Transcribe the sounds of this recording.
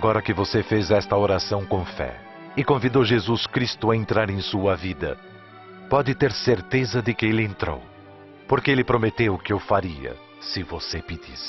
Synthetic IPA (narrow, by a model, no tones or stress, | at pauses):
aɡɔɾɐkɪvosefezɛst̪ɐoɾasɐ̃w̃kõfɛ̰ | ɪkõvid̪owʒezuskɾist̪ʊaẽnt̪ɾaɾẽj̃suɐvid̪ɐ̰ | pɔd̪ɪt̪eɾseɾt̪ezɐd̪ɪkɪelɪẽnt̪ɾo̰w | poɾkɪelɪpɾomet̪ewʊkɪewfaɾiɐ̰ | sɪvosepid̪isɪ̥